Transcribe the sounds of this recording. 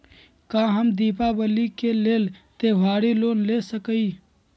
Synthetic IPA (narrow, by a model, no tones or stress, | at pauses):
kãːɦəmd̪iːpaːbəliːkeːleːlt̪eːʋaːɽiloːnleːsəkəiː